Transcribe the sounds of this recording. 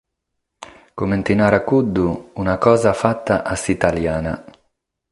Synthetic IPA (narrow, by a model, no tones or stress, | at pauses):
kument̪inaːɾakud̪ːuːnakɔːzafat̪ːaʔasit̪aljaːna